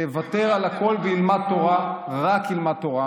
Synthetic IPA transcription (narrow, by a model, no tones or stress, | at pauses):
evat̪e̞ʁalako̞lbeilmat̪ːo̞ʁaʁakilmat̪ːo̞ʁa